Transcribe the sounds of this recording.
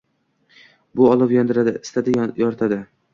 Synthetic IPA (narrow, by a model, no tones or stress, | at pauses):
bʊɒlˠɪpjɒnd̪ɪɾad̪ɪɪst̪ad̪ɪjɒɾt̪ʰad̪ɪ